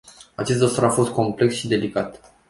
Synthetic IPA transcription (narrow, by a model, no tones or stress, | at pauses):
at͡ʃe̞st̪d̪osaɾafo̞st̪̚ko̞mple̞ksʃid̪e̞likat̪